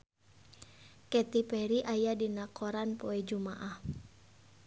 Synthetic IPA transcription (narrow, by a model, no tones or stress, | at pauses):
kɛt̪ipɛɾiʔajadinakɔɾanpɔɛd͡ʒumaʔah